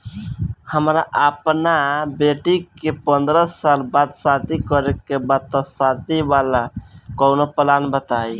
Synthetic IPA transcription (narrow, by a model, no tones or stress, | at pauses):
həmɾaʔəpnabeʈikepənd̪ɾəalbad̪sãt̪ikəɾekebad̪̚t̪əsãt̪ibalakəwnopəlanbət̪aj